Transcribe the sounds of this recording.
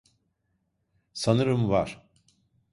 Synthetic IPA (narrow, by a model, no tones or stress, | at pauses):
sanɯɾɯmvaɾ̥